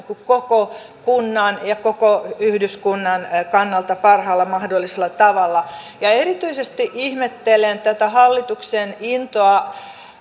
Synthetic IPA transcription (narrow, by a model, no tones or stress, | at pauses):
kukkoko | kunːɑnjɑkokoyhdyskunːɑnkɑnːɑlt̪ɑpɑrhɑːlːɑmɑhdolːiselːɑt̪ɑʋɑlːɑ | jɑeɾit̪yisest̪iʔihmet̪ːelent̪æt̪æhɑlːit̪uksenint̪oɑ